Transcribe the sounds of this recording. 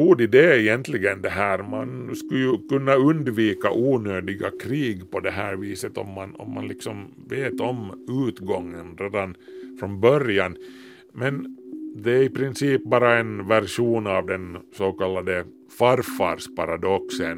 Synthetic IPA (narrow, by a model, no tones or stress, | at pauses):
uːɖɪd̪ɛɛjɛnt̪lɪɡənd̪ɛɦæːɾmanskɵjɵkɵnːaɵnd̪viːka̰ʔuːnøːd̪ɪɡakʰɾiːɡpɔd̪ɛɦæːɾviːsət̪ɔ̰mːanɔ̰mːa̰nlɪksɔm | veːt̪ɔmʉːt̪ɡɔŋːənɾeːd̪an | fɾɔnbœɾjan | mɛnd̪ɛæɾɪpɾɪnsiːp̚bɑːɾaɛnvæɾʂuːnavd̪ɛnsoːkɑlːad̪ə | faɾfa̰ːɾʂpaɾad̪ɔksən